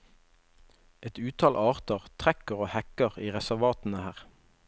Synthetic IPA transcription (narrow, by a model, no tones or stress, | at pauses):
ɛt̪ʉːt̪ʰɑːlʔɑːʁt̪əʁt̪ʰʁɛkəʁoːhækəʁiːʁɛsæʁʋɑːt̪n̩əhæːʁ